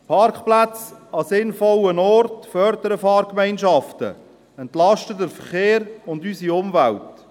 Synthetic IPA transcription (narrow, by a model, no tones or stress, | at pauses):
pʰɑrkχplæt͡sɑsɪnfɔlənɔrtfœɾdəɾəfɑːɾkmɛɪnʃɑftə̰ | ɛntlɑʃtədəɾfəɾχeːɾʊndysiʊmvælt